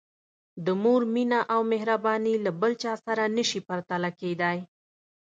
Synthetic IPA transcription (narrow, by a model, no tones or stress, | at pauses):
d̪əmoɾminaʔawmɪhɾabɑnilabəlt͡ʃɑsaɾanəʃipaɾt̪alaked̪aj